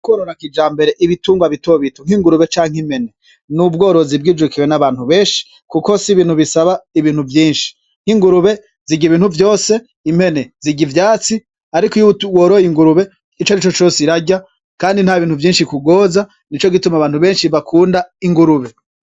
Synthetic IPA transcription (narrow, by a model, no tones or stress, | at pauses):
koːɾoɾakid͡ʒaːmbe̞ɾeʔiβituːŋɡwaβito̞βitoŋ̥iŋɡuɾuβe̞t͡ʃaːŋhimhe̞ne̞ | nubɡo̞ːɾo̞zibɡiːd͡ʒukiwenaβaːn̥huβe̞ːnʃi̥ | kuko̞siβiːn̥huβisaβaiβiːn̥uvjiːnʃi̥ | ŋ̥hiŋɡuɾuβe̞ | z̥iɡiβiːnhuvjo̞ːse̞ | imhe̞neziɡivjaːt͡si | aɾikojutwoːɾojiŋɡuɾuβe̞ | it͡ʃonit͡ʃot͡ʃo̞ːsiɾaɟa | kaːndin̥haβiːn̥huvjiːnʃikuɡo̞ːza | nit͡ʃo̞ɡitumaβaːn̥uβe̞ːnʃiβakʰuːndaiŋɡuɾuβe̞